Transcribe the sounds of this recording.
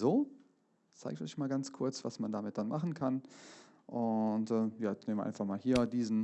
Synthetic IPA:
zoː | t͡saɪk̚tɔ̰ʏçmaːlɡant͡skʰʊɐt͡sv̥asmandamɪt̚d̥anmaχn̩kʰan | ʔʊntʔɛːjaːt͡sneːmvɐ̰ʔaɪnfaχmaːlhiːɐdiːzn̩

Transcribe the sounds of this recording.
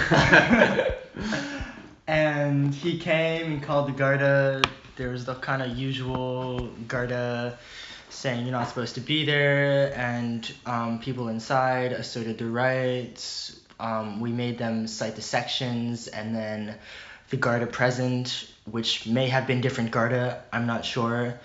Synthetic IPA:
ɨ̃nikʰẽɪ̃mɨ̃nkʰɔlˠd̪̚ðɨɡɑɹɾə | ðə˞wʌzðəkʰãɪ̃ndɨjʉʒəwl̩ˠɡɑɹɾə | seɪɪ̃ŋjənətsə̥pʰoʊz̥tʰɨbiðə˞ɨ̃nʌ̃mpʰipl̩ˠɪ̃nsaɪɾɨsɜ˞ɾɨd̪̚ðəɹaɪts | ʔʌ̃mwimeɪd̪̚ðɨ̃msaɪt̪̚ðɨsɛkʃɨ̃nzɨ̰̃nðɨ̃nðɨɡɑɹɾɨpʰɹ̥ɛzɨ̃nt | wɪt͡ʃmeɪɨvbɨ̃ndɪfɹɨ̃nɡ̥ɑɹɾɨãɪ̃mnətʃʊɹ

